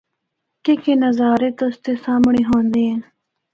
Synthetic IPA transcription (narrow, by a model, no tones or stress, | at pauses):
kekeːnəzaːɾeːt̪ʊst̪eːsaːmɳeːɦõːnd̪eẽː